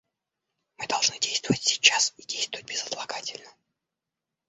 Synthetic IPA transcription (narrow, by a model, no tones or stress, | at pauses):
mɨd̪ɐlˠʐnɨdʲejst̪vəvətʲsʲɪ̥t͡ɕːasidʲejst̪vəvət̚ʲbʲɪzət̪lˠɐɡatʲɪlʲnə